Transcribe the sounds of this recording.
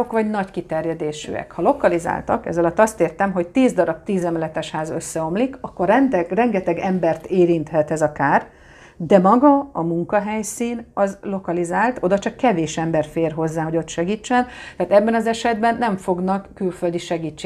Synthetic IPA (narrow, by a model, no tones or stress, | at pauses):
okʋɒɟnɒɟkit̪ɛrjɛd̪eːʃy̰ɛ̰khɒlo̞kɒliza̰ːlt̪ɒkɛ̰zɒlɒt̪ːɒst̪eːrt̪ɛmɦo̞ct̪iːzd̪ɒɾɒb̚t̪iːzɛmlɛt̪ɛʃhaːzø̞sːɛo̞mlikɒkːo̞rɛnt̪ɛrɛŋɡɛt̪ɛɡɛmbɛrt̪eːɾint̪hɛt̪ɛzɒkaːr | d̪ɛmɒɡɒɒmuŋkɒɦɛjsiːnɒzlo̞kɒlizaːlt̪o̞d̪ɒt͡ʃɒkːɛveːʃɛmbɛrfeːrɦo̞zːaːɦo̞ɟo̞t̪ʃɛɡiːt͡ʃːɛnt̪aːt̪ɛbːɛnɒzɛʃɛd̪bɛnːɛɱfo̞ɡnɒkːylføld̪iʃɛɡiːt͡ʃːeː